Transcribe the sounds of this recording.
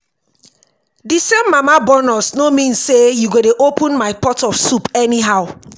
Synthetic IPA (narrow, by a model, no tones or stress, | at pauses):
disẽmːamabɔnɔsnomĩnssːejuɡodeʔopũnmaɪpɔtɔfsupɛniɦaʊ